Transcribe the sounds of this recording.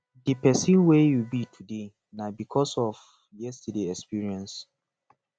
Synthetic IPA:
dipɛsĩnwejubitʰude | nabikʰɔsɔv | jɛstədeɛkspiɹiɛ̃ns

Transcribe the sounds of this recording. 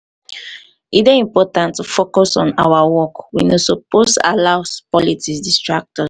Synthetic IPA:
ideĩmpɔtãntufokɔsɔ̃nawawɔkwinosoposa̰laspɔlitisdistɹak̚tɔs

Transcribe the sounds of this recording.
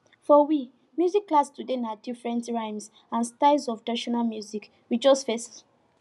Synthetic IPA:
fɔwi | mjuzikːlastudenadifɹɛ̃ntɹãɪ̃ms | ãnstaɪzɔfdaʃɔnalmjuzik | wid͡ʒɔstfɛst

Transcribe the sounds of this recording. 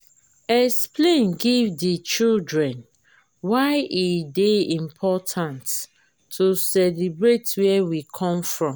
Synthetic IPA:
ɛksplẽnɡivdit͡ʃildɹɛ̃n | waɪʔideĩmpʰɔtʰãntʰː | usɛlibɹetwɛwikʰɔ̃mfɹɔ̃m

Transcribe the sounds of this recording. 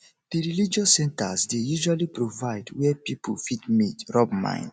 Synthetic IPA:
ðiɹilid͡ʒɔsːɛ̃ntasdejuʒwalipɹovaɪdwɛpipʰulfitmitɹɔbmã̰ɪ̃nd

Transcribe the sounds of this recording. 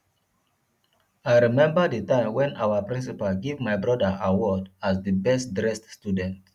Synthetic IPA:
aɪɹimɛ̃mbədətãɪ̃mwɛ̃nawəpɹĩnsipalɡevmaɪbɹɔdəʔawɔdasdəbɛstdɹɛststjudɛ̃nt

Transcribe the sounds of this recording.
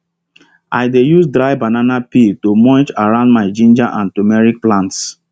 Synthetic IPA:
aɪdejusdɾaɪbananapitomɔ̃nt͡ʃaɹãʊ̃ndmaɪd͡ʒĩnd͡ʒaʔãntumɛɹik̚plãnts

